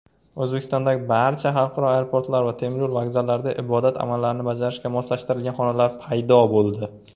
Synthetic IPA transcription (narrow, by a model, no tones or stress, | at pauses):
ɵzbekʲɪ̥st̪ɒ̃nd̪aɡʲɪbaɾt͡ʃʰaχɑlˠqʰɑɾɒajɾopʰoɾt̪laɾvat̪ʰe̞mɾʊɾvaɡzalːaɾd̪aʔɪbɒd̪at̪ʰa̰malːaɾɪnɪbad͡ʒaɾɪʃkʲamɒslaʃt̪ɪɾɪlɡʲanχɒnalaɾpʰajd̪ɒbolˠd̪ɪ